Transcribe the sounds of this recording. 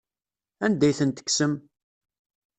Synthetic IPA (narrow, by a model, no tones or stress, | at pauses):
ænd̪æjθənt̪ə̥kːsəm